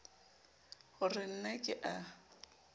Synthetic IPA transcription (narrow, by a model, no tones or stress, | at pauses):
hʊrɪn̩nekʼɪʔa